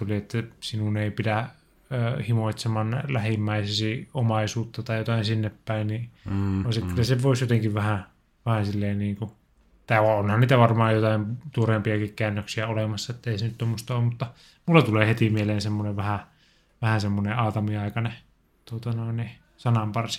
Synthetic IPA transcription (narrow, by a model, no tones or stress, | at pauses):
uliet̪ːæsinuneˑipidæ | øːhimoˑit̪semɑnlæhimːæisesiomɑisuːt̪ːɑt̪ɑijot̪ɑinsinːeppæinnioˑisikkylːæsepoˑisjot̪eŋkiʋʋæhæ | ʋæhæsilːeːnniːŋku | et̪ːɑoonhɑnniːt̪æʋɑrmɑːjjot̪ɑimt̪uorempiɑkikkæːnːøksiæolemɑsːɑet̪ːeˑisenyt̪t̪omːost̪ɑoːmmut̪ːɑ | mulːɑt̪uleːhet̪imieleːnsemːoneʋʋæhæ | ʋæhæsemːoneɑːt̪ɑmiɑˑikɑne | t̪uot̪ɑnoˑinːˑi | sɑnɑmpɑrsi̥